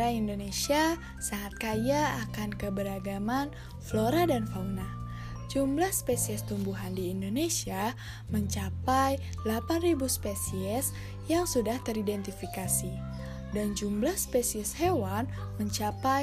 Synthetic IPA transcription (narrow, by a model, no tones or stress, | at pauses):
aindonesia | saŋat̪̚kajaːkankəbəɾaɡaman | floɾadanfauna | d͡ʒumblahspesiɛst̪umbuɦandiːndonesia | məɲt͡ʃapaj | lapanribuspesiɛs | jaŋsudaht̪əɾidɛnt̪ifikasi | dand͡ʒumblahspesiɛshewan | məɲt͡ʃapaj